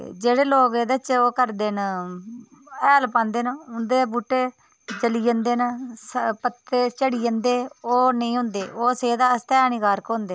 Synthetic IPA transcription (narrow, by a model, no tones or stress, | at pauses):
d͡ʒeːɽeːloːɡeːd̪ət͡ʃoːkəɾd̪eːn | ɛːlpãːnd̪eːnʊnd̪eːbuːʈːeː | d͡ʒəliːənd̪eːnspət̪ːeːt͡ʃəɽiːənd̪eːoːnəĩːɦʊ̃ːnd̪ḛːoːseːd̪aːst̪ɛːniːkaːɾkɦõːnd̪eː